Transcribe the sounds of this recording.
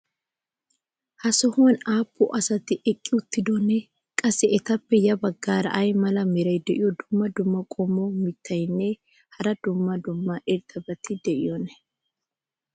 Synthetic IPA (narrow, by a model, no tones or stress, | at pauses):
hɐsɔhonaːpʰːʊʔɐsɐt̪ɪʔɛkʼːɪʊt̪ːɪd̪ɔnːɛ | kʼɐsːɛʔɛt̪ɐpːɛjɐbɐɡːaːɾɐ̰ʔɐjmɐlɐmɪɾɐjd̪ɛʔɪ̰jɔd̪ʊmːɐd̪ʊmːɐkʼomːɔmɪt̪ʰːɐjnːɛ | hɐɾɐd̪ʊmːɐd̪ʊmːɐʔɪɾt̪ɐbɐt̪ɪd̪ɛʔɪ̰jɔnɛ